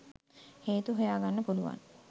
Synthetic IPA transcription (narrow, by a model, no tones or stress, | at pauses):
heːt̪uɦojaːɡanːəpuluʋa̰n